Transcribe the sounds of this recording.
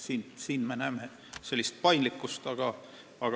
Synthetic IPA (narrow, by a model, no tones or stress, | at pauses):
sinsiːnmenæːme | se̞lʲːist̪̚pɑjnlikːˑust̪ɑɡ̥ɑ | ɑɡ̥